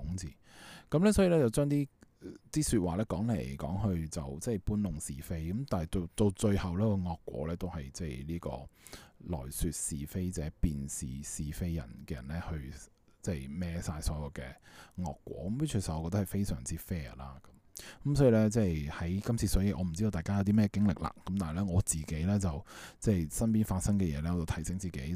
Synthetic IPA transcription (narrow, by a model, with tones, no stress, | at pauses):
ʊ˨˥ŋt͡sḭː˨˩kɐ˨˥mlɛː˥sɔː˨˥ji˨lɛ˥t͡sɐ˨˩wt͡ʃœː˥ŋt̪iː˥t̪iː˥sy˧t̚waː˨lɛː˥kɔː˨˥ŋle˨˩jkɔː˨˥ŋɦɵ˧ɥt͡sɐ̰˨wt͡sɛː˥˩jpuː˥nlʊ˨ŋsiː˨fe˥jkɐ˨˦mt̪aː˨nhɐ˨˩jt̪o˧wt̪o˧wt͡ʃɵ˧ɥhɐ˨˩wlɛː˥kɔː˧ŋɔː˧kːwɔ̰ː˨˥lɛː˥t̪o˥whɐ˨jt͡sɛː˥˩jliː˥kɔ̰ː˧lɔ̰ː˨˩jsyː˧t̚siː˨fe˥jt͡sɛː˨˥piː˨nsḭː˨siː˨fe˥jjɐ̰˨˩nkɛː˧jɐ̰˨˩nlɛ˥hɵ˧ɥ | t͡sɛː˥˩jmɛː˨˥saː˧jsɔː˨˥jɐ˨˧wkɛː˧ŋɔː˧kːwʷɔ̰ː˨˥kɐ˨˦mi˥t͡ʃʰy˨˩sɐ˨˩ɔ˧kɔ˧t̪hɐ˨˩jfe˥jsœː˨˩ŋt͡siː˥fɛː˥laː˥kɐ˨˧˦mkɐ˨˥msɔː˨˥jiː˨˧lɛ˥t͡sɛː˥˧˩jhɐ˨˥jkɐ˥mt͡sʰiː˧sœː˨˥ji˨˧˩ʔɔ̰ː˨˧m̩˨˩i˥o˧t̪aː˨˩jka˥jɐ˨˧t̪iː˥mɛː˥ɛ˧kɪ˥ŋlɪ˨k̚la̰ː˧˩kɐ˨˦mt̪aː˨ɦlɛː˥ŋɔː˨˧t͡siː˨˩ke˨˥jlɛː˥t͡sɐ˨wt͡sɛː˥˩jsɐ˥npiː˥nfaː˧t̚sɐ˥ŋkɛː˧jɛː˨˧lɛː˥ŋɔː˨˧t͡sɐ˨˩t̪ʰɐ˨˩jsɪ˨˥ŋt͡siː˨˩ke˨˥j